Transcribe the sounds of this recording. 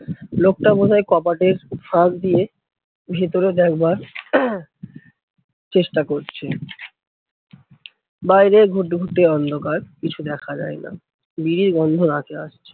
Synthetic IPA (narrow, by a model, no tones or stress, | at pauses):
lok̚ʈabod͡ʒʱaekɔpaʈeɾfaɡ̚d̪ie | bʱet̪oɾed̪ɛkbaɾ | t͡ɕeʃʈakoɾt͡ɕʰe | bajɾeɡʱuʈɡʱuʈeɔnd̪ʱokaɾkit͡ɕʰud̪ɛkʰad͡ʑa̰ena̰ | biɾiɾɡɔnd̪ʱonakeaʃt͡ɕʰe̥